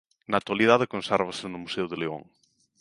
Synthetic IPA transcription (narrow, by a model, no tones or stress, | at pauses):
nat̪walið̞aðɪkonsɛɾβasɪnʊmuseʊðɪleo̰ŋ